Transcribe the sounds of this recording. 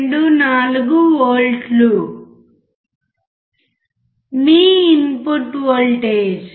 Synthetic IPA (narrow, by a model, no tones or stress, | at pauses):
ɳɖunaːluɡuoːlʈlu | miːinpuɾʈʋoːlʈeːd͡ʒ